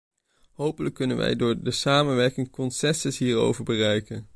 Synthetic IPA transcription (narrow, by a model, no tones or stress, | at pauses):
ɦowpələkːɵnənʋʔɛ̰jdʊːɹdəsaːmənʋɛɹkɪŋkɔnsɛsɪsɦiːɹo̰wvəɹbərɛjkən